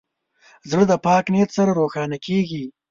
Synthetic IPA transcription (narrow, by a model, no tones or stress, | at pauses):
zɽəd̪əpɑːknet̪sɐɾaɾoːxɑːnakeɡi